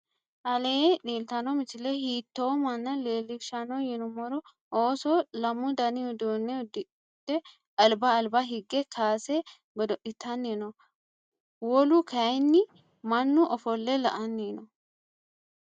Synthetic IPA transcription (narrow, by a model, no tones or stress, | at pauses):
ʔɐleːᶑeːlt̪ɐnɔmɪt͡ʃɪlɛhiːt̪ːoːmɐnːɐleːlːɪʃɐnɔjɪnʊmɔɾɔ | ʔoːsoːlɐmʊd̪ɐnɪʊd̪oːnːɛd̪ɪ | d̪̥ːɛ | ɐlbɐːlbɐɦɪɡːɛkʰaːsɛ | ɡɔd̪ɔʔɪt̪ʰːɐnːeːnɔ | wɔlʊkʰɐjnːɪ | mɐnːʊʔɔfɔlːɛlɐ̰ʔɐnːeːnɔ